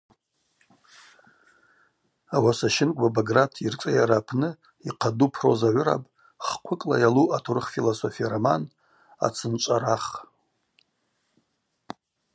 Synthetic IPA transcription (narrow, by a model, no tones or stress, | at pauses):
awasaʃɪnkʷʼbabaɡratʰirt͡sʷʼajaɾapʰnɨ | iqʰadupʰro̰zaʕʷʊɾa̰pʼ | χqʷʰʊkʼlajaluʔatʰurɨχfilosofijaraman | a̰t͡sʰɨnt͡ʃʷʼaɾaχ